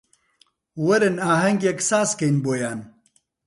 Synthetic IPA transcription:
wɐɾɨnaːɦɐŋɡjeksaːskɐjnboːjaːn

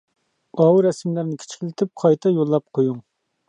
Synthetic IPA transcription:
ɑwuɾɛsmlæɾnɪkʲʰi̥t͡ʃʰkʲlɪt̪ʰɪp̚qʰɑjt̪ʰɛjolˠːɑp̚qʰojuŋ

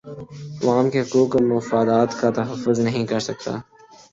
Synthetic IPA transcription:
ʋaːmkeɦʊkuːkmːʊfaːd̪aːt̪kat̪ɐɦɐfːʊznɐɦĩkɐɾsɐk̚t̪a̰ː

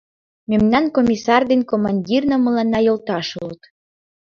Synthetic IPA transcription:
memnɑnkomʲisɑrd̪enkomɑnʲdʲirnəməlɑnːɑjolt̪ɑʃulət̪

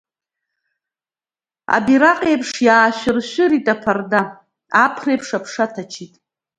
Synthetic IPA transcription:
a̰biɾaqʼejpʰʂjaːʃʷᶣɪrʃʷʊɾitʼapʰarda | apʰrejpʰʂapʰʂatʰat͡ʃʰitʼ

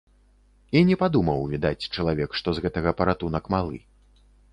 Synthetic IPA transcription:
inʲɛpad̪umɐwvʲid̪at͡sʲt͡ʂɐlˠavʲɛkʂt̪ɔzɣɛt̪ɐɣɐpɐɾat̪unɐkmalˠɨ̰

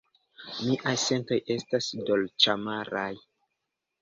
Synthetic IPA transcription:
miʔajse̞nto̞je̞stasdo̞lt͡ʃamaɾaj

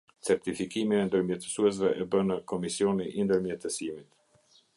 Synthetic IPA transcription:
t͡sɛɾt̪ifikimiɛnd̪əɾmjɛt̪ə̥suɛs̬vɛʔɛbənəkɔmisiɔniʔind̪əɾmjɛt̪əsimit̪

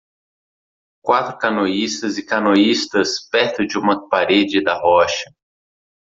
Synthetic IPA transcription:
kwat̪ɾʊkɐnoist̪ɐzɪkɐnoist̪ɐspɛɾt̪ʊd͡ʒɪũmɐpaɾed͡ʒɪd̪ɐɦɔʃɐ̥

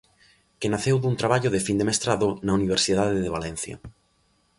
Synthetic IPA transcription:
kenaθewðunt̪ɾaβ̞aʎʊðefind̪emest̪ɾaðʊnauniβ̞eɾsiðaðeðeβ̞alɛn̟θjɐ̰

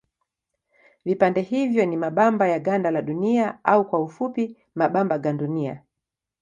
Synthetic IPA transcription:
vipandɛhivjɔnimaɓambajaɡandalaɗuniaaukwaufupi | maɓambaɡandunia̰

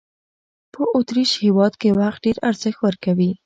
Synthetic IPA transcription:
pəʔʊt̪ɾiʃhewɑd̪kewaxt̪̚ɖeɾaɾz̥əxwəɾkawi

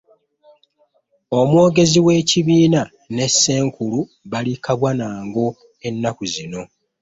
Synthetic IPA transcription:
o̞mwo̞ːɡe̞ziwe̞ːciβiːna | ne̞sːe̞ːŋkulu | βalikaβwanaːŋɡo̞ | e̞nːakuzino̞

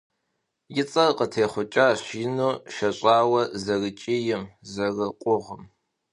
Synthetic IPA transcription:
jɪt͡sʼɐrqətʰeːχʷʊt͡ʃʼaːɕiːnoːʃɐɕʼaːwɐzɐrɨt͡ʃʼiːjɪmzɐrɨqʷʼʊʁəm

